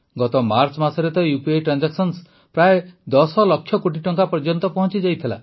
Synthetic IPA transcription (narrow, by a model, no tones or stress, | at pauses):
ɡɔt̪ɔmaɾt͡ʃɔmasɔɾet̪ɔjupieʈɾand͡ʒaksɔns | pɾaed̪ɔsɔlɔkʰːjɔkoʈ̬iʈɔŋkapɔɾd͡ʒɔnt̪ɔpɔɦɔ̃nt͡ʃid͡ʒajt̪ʰila̰